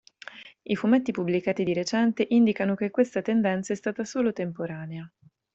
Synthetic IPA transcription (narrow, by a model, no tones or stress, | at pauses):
ifumet̪ːipublikaːt̪id̪iɾet͡ʃɛnt̪eʔind̪ikanokekːwest̪at̪end̪ɛnt̪saɛst̪aːt̪asoːlot̪empoɾaːnea